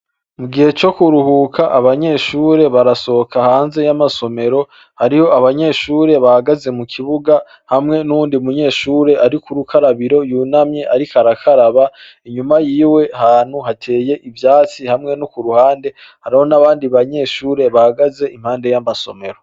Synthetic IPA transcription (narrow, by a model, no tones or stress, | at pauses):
muɡihe̞t͡ʃo̞kuɾuɦuːkʰaʔaβaɲe̞ːʃuːɾe̞βaɾaso̞kahaːnze̞jamaso̞me̞ɾo̞ | haɾiho̞aβaɲe̞ːʃuːɾe̞βahaɡazemukʰiβuɡa | hamŋe̞nuːndiumuɲe̞ːʃuːɾe̞ʔaɾikuɾukʰaɾaβiɾo̞juːnamɲe̞ʔaɾikaɾakʰaɾaβa | iɲumajiːwe̞haːn̥huhatʰe̞ːje̞ʔivjaːt͡sihamŋe̞nukuɾuhaːnde̞haɾiho̞naβaːndiβaɲe̞ːʃuːɾe̞βahaɡaze̞ʔim̥haːnde̞jamaso̞me̞ɾo̞